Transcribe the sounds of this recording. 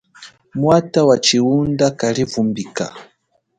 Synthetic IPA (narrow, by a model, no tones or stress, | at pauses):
mwatawat͡ʃiundakalivumbika̰